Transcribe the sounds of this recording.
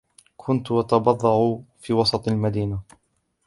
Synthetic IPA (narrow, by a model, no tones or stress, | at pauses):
kʰʊnt̪wɑt̪ɑbɑðˤːɑʕufiːwɑsˤɑt̪ˤalmad̪iːna